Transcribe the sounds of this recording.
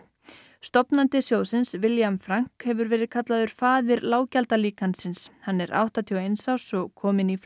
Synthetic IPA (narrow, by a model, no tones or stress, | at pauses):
st̪ɔpnant̪ɪsjoːwsɪnsvɪljamfɾaŋ̥khɛvʏɾvɛːɾɪðkʰat̪laðʏɾ̥faːðɪɾlaːwcalt̪aliːkansɪnshanːɛɾʔa̰wht̪at̪ʰiwejnsawsɔɣkʰɔːmɪnif